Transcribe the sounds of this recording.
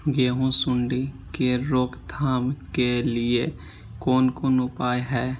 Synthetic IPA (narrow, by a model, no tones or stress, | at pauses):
ɡeːɦõsʊɳɖi | keɾoːkt̪ʰaːmkelɪe | koːnkoːnʊpaːjɦɛː